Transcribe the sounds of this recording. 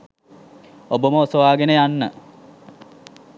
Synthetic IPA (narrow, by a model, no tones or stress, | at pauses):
oboməosoʋaːɡenəjanːə